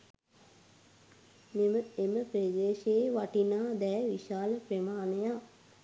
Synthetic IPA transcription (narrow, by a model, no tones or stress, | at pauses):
meməeməpɾed̪eːʃeeʋaʈinaːd̪ɛːʋiʃaːləpremaːneja